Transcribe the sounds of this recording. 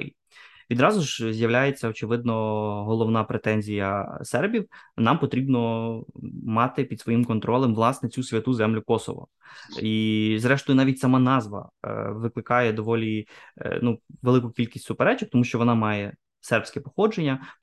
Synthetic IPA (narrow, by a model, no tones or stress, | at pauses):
i | ʋʲid̪ɾɑzʊʒzʲjɐwlʲajet͡sʲːɐɔt͡ʃɪʋɪd̪̚nɔɦɔlˠɔʋnɑpɾet̪ɛnʲzʲijɐ̰sɛrbʲiwnɑmpɔt̪ɾʲibnɔ | mɑt̪ɪpʲid̪sʋɔjimkɔnt̪ɾʔɔlˠɛmʋlˠɑsnɛt͡sʲusʲʋʲɐt̪uzɛmlʲʊkɔsɔ̰ʋɔ̰ | izɾɛʃt̪ɔjʊnɑʋʲitʲsɐmɑnɑzʋɐ̰ʋɪklˠɪkɑjɛd̪ɔʋɔlʲinuʋelˠɪkʊkʲilʲkʲisʲtʲsʊpɛɾɛt͡ʃɪk̚t̪ɔmuʃt͡ʃɔʋɔnɑmɑjɛ | sɛrpʲsʲkɛpɔ̥xɔd͡ʒenʲːɐ